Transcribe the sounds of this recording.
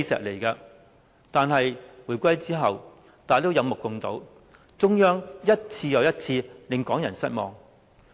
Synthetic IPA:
jsɛ̰ː˨k̚le˨˩jkɐ˧ | t̪aː˨nɦɐ˨jwuː˨˩jkʷɐ˥jt͡siː˥ɦɐ˨w | t̪aː˨˥jt̪o˥wjɐ˨˧wmʊ˨kːʊ˨˧ŋt̪o̰˨˥w | t͡sʊ˥ŋjœː˥ŋjɐ˥t̚t͡sʰiː˧jɐ˨˧wjɐ˥t̚t͡sʰiː˧lɪ˨˩ŋkɔː˨˥ŋjɐ˨˩nsɐ˥t̚mɔː˨ŋ

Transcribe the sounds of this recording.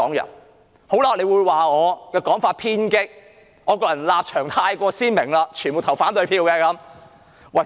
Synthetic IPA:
ɔː˨˥ŋjɐ̰˨˩n | ho˨˥wlaː˧le˨˧jwuː˨˧jwaː˨˩ŋɔː˨˧kɛː˧kɔː˨˥ŋfaː˧t̚pʰiː˥nkɪ˥k̚ | ŋɔː˨˧kɔː˧jɐ˨˩nlaː˧p̚t͡ʃʰœː˨˩ŋt̪ʰaː˧jkʷɔː˧siː˥nmɪ˨˩ŋlaː˧t͡ʃʰyː˨˩nbo˨wt̪ʰɐ˨˩wfaː˨˥nt̪ɵ˨˧ɥpʰiː˧wkɛː˧kɐ˨˥m | wɐ˨˩

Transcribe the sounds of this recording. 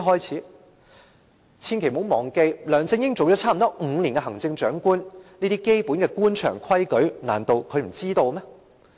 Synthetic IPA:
ɦɔː˥jt͡sʰiː˨˥ | t͡sʰiː˧nkʰe˨˩mo˨˥wmɔː˨˩ŋke˧jlœː˨˩ŋt͡sɪ˧ŋjɪ˥ŋt͡so˨wt͡ʃɔ˨˥t͡sʰaː˥m̩˨˩t̪ɔː˥ŋ̩˨˧liː˨˩nkɛ˧ɦɐ˨˩ŋt͡sɪ˧ŋt͡ʃœː˨˥ŋkuː˥nniː˥t̪iː˥ke˥jpuː˨˥nkɛː˧kuː˥nt͡ʃʰœ̰ː˨˩ŋkʰɐ˥jkɵ˨˥ɥna̰ː˨˩nt̪o˧wkʰɵ˨˧ɥm̩˨˩t͡siː˥t̪o˧wmɛː˥

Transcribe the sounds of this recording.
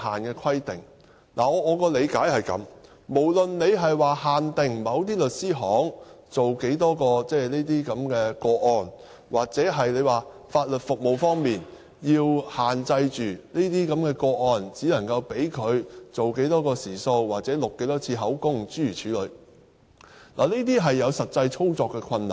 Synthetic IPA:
haː˨nkɛː˧kʰɐ˥jt̪ɪ˨˩ŋ | la̰ː˨˩ɔː˨˧˨kɔː˧le˨˧jkaː˨˥jhɐ˨jkɐ̰˨˧˥m | mo˨˩wlɵ˨nne˨˧jɦɐ˨jwaː˨˩haː˨˩nt̪ɪ˨ŋmɐ˨˧wt̪iː˥lɵ˨t̚siː˥ɦɔː˨˥ŋt͡so˨wke˨˥jt̪ɔː˥kɔː˧t͡sɛː˥liː˥t̪̬iː˥kɐ˨˥mkɛː˧kɔː˧ɔː˨n | waː˨˩k̚t͡sɛ˨˥ɦɐ˨jle˨˧jwaː˨ | faː˧t̚lɵ˨t̚fʊ˨k̚mo˨wfɔː˥ŋmiː˨˩n | jiː˧whaː˨nt͡sɐ˧jt͡ʃyː˨˩niː˥t̪iː˥kɐ˨˥mkɛː˧kɔː˧ʔɔː˨nt͡siː˨˥lɐ˨˩ŋkɐ˧wpe˨˥jkʰɵ˨˧ɥt͡so˨wke˨˥jt̪ɔː˥kɔː˧siː˨˩so˧wwaː˨˩k̚t͡sɛː˨˥lʊ˨kːe˨˥jt̪ɔː˥t͡sʰiː˧ɦɐ˨˥wkʊ˥ŋt͡ʃyː˨˥jyː˨˩t͡ʃʰyː˨˥lɵ˨˧˥ɥ | la̰ː˨˩niː˥t̪̬iː˥ɦɐ˨jːɐ˨˧wsɐ˨t̚t͡sɐ˧jt͡sʰo˥wt͡sɔː˨kːɛː˧kʰɐ˧nːɐ̰˨˩ŋ

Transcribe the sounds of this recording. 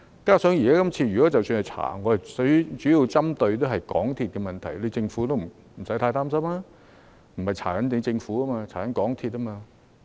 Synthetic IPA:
kaː˥sœː˨˥ŋjiː˨˩kaː˥kɐ˥mt͡sʰiː˧jy˨kɔ˨˥t͡sɐ˨wsyː˧nhɐ˨jt͡sʰa̰ː˨˩ŋɔː˨˧hɐ˨jsɥt͡ʃyː˨˥ji˨˧wt͡sɐ˥mt̪ɵ˧ɥt̪o˥wɦɐ˨jkɔ̰ː˨˥ŋt̪ʰiː˨˧t̚kɛ˧mɐ˨nt̪ʰɐ˨˩jle˨˧jt͡sɪ˧ŋfuː˨˥t̪o˥wm̩˨˩ | m̩˨˩sɐ˨˥jt̪ʰaː˧jt̪aː˥msɐ˥mlaː˥ | m̩˨˩hɐ˨˩jt͡sʰaː˨˩kɐ˨˥nt̪ɪ˨˥nt͡sɪ˧ŋfuː˨˥ɐ˥maː˧t͡ɕʰaː˨˩kɐ˨˥nkɔː˨˥ŋt̪ʰiː˧t̚ɐ˥maː˧

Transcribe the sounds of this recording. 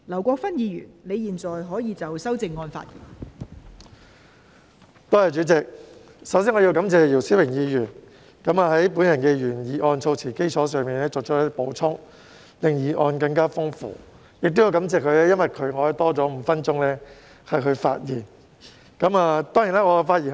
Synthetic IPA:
lɐ˨˩wkʷɔː˧k̚fɐ˥njiː˨˧ɥy̰ː˨˩nne˨˧jiː˨˩nt͡sɔː˨jɦɔː˨˥jiː˨˧t͡sɐ˨wsɐ˥wt͡sɪ˨ŋːɔː˧nfa̰ː˧t̚jḭː˨˩n | t̪oː˥ɐ˨jt͡ʃy˨˥t͡sɪ˨k̚ | sɐ˨˥wsiː˥ŋɔː˨˧i˧wkɐ˨˥mt͡sɛː˨˧jiː˨˩wsiː˥wɪ˨˩ŋjiː˨˧jyː˨˩n | kɐ˨˥maː˨˧ɦɐ˨˥jpuː˨˥njɐ˨˩nkɛː˧jyː˨˩njiː˨˩ʔɔː˧nt͡sʰo˧wt͡sʰiː˨˩ke˥jt͡sʰɔː˨˥sœː˨˧ŋmiː˨˩nlɛː˥t͡sɔ˨˩kt͡ʃʰjt̪ːpo˨˥wt͡sʰʊ˥ŋ | lɪ˨ŋjiː˨ʔɔː˧nkɐ˧ŋkaː˥fʊ˥ŋfṵː˨ | jɪ˨k̚t̪o˥ji˧wkɐ˨˧˥mt͡sɛː˨kʰɵ˨˧ɥlɛː˥jɐ˥nwɐ˨jkʰɵ˨˧ɥŋɔː˨˧hɐ˨˩t̪ɔː˥t͡sɔː˨˥m̩ː˨˧˦fɐ˥nt͡ʃʊ˥ŋlɛː˥ | hɐ˨jkʰɵ˨˧ɥfa̰ː˧t̚jiː˨˩n | kɐ˨˥maː˧t̪ɔː˥ŋji˨˩naː˥ŋɔ˨˧faː˧i˨˩

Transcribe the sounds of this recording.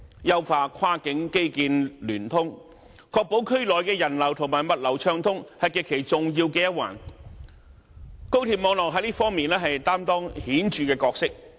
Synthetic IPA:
jɐ˧wfaː˨˩kʰaː˥kɪ˨˥ŋke˥jkiː˧nlyː˨˩nt̪ʰʊ˥ŋ | kʰɔː˧k̚po˨˥wkʰɵ˥ɥlɔː˨jkɛː˧jɐ˨˩nlɐ˨˩wt̪ʰʊ˨˩ŋmaː˨jmɐ˨t̚lɐ˨˩wt͡ʃʰœː˧ŋt̪ʰʊ˥ŋhɐ˨jkɛː˧kʰːe˨˩jt͡sʊ˨ŋjiː˧wkɛː˧jɐ˥wa̰ː˨˩n | ko˥wt̪ʰiː˨p̚mɔː˨˧ŋlɔː˨k̚ɦɐ˨˥jliː˥fɔː˥ŋmiː˨nlɛː˥ɦɐ˨jt̪aː˥mt̪ɔː˥ŋhiː˨˥nt͡ʃyː˨kɛː˧kɔː˧k̚sɪ˥k̚

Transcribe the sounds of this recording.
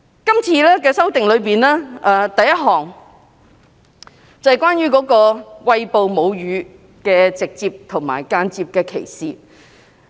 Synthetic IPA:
kɐ˥mt͡sʰiː˧lɛː˥kɛː˧sɐ˥wt̪ɪ˨ŋlɵ˨˧ɥpiː˨nlɛː˥ʔɛː˨˩t̪ɐ˨jɐ˥t̚ɦɔː˨˩ŋ | t͡sɐ˨jkʷaː˥njyː˥kɔː˨˥kɔː˧wɐ˧jpo˨wmo˨˧wjyː˨˧˥ | kɛː˧t͡sɪ˨k̚t͡siː˧p̚t̪ʰʊ˨˩ŋma̰ː˨˩jkaː˧nt͡siː˧p̚kɛː˧kʰe˨˩jsiː˨

